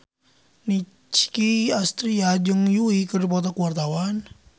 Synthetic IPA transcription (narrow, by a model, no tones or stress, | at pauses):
ni | t͡ʃkiast̪ɾiad͡ʒɨŋjuikədup̬ɔt̪ɔkuwart̪awan